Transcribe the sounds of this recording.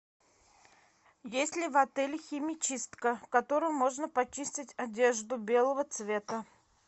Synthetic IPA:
jesʲtʲlʲɪvɐt̪ɛlʲxʲɪmʲɪt͡ɕist̪kəkɐt̪oɾɨjmo̞ʐnəpɐt͡ɕisʲtʲɪtʲɐdʲeʐd̪ʊbʲe̞lˠəvət̪svʲe̞t̪ə

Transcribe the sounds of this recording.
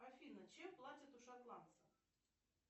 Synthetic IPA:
afʲinət͡ɕɛplˠatʲɪt̪uʂat̪lˠant̪səx

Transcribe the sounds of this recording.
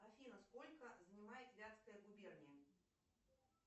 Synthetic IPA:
ɐfʲinəskolʲkəzənʲɪmajɪt̪vʲat̪skəjəɡʊbʲernʲɪjə

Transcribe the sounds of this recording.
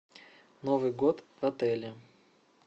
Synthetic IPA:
novɨjɡot̪vɐt̪ɛlʲɪ

